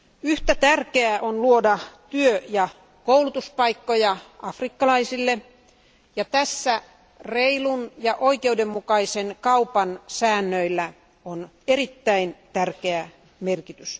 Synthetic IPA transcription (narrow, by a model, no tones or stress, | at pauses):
yht̪æt̪ærkeæʔonluodɑt̪yøjɑ | koulut̪uspɑikːojɑʔɑfrikːɑlɑisilːe | jɑt̪æsːæ | reilunjɑʔoikeudemmukɑisenkɑupɑnsæːnːøilːæ | on | erit̪ːæint̪ærkeæ | merkit̪ys